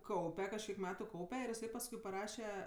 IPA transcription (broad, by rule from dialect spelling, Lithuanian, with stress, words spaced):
ˈkɐʊpʲɛ kɐʃʲˈkʲiɛk ˈmʲæːtʊ ˈkɐʊpʲɛ ɪr ɪˈsɐɪ pɐsˈkʊɪ pɐˈrɑːʃʲɛ